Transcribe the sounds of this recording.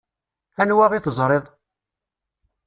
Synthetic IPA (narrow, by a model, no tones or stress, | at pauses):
ænwaʁiθəzˤɾˤɪðˤ